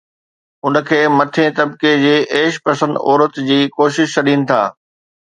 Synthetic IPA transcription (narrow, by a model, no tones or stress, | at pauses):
ʊnə̆kʰeːmɐt̪ʰẽt̪ɐbked͡ʑeːʔeːʃpɐsə̃nd̪ɔ̰ːɾət̪d͡ʑiːkoːʃɪʃt͡ɕʰɐɗĩːnɪ̆t̪ʰa̰ː